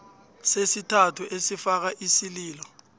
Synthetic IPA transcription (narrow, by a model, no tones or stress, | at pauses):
sesitʰatʰuʔesifak̬aʔisiliːlɔ